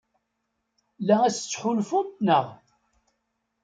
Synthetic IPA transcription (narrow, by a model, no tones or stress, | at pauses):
lææst͡sːħʊlfʊt̪nəʁ